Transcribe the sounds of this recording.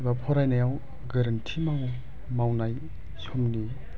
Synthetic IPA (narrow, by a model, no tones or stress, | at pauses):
bapʰɔɾajnajaw | ɡɐɾantʰimaw | mawnaj | sʰomni